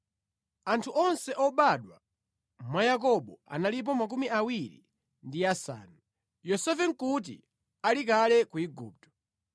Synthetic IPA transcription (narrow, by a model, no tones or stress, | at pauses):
antʰuʔɔnsɛʔɔɓaɗwa | mwajak̬ɔɓɔa̰nalip̬ɔmak̬umiʔawiɾḭ | ndiasa̰ːnu | jɔsɛfɛŋ̩kut̬ḭ | alikalɛkuiɡṵːp̚tɔ̥